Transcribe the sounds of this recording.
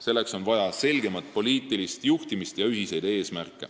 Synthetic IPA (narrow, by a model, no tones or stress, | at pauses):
se̞lːekso̞nvɑjɑse̞lɡe̞mɑt̪̚po̞liːt̪ˑːilist̪juht̪imist̪jɑyɦise̞jd̪̥e̞ːsmærkːˑe̞̰